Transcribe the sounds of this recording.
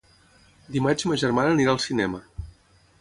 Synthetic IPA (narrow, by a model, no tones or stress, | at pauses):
d̪imad͡ʒməʒərmanəːniɾaəlˠsinɛmə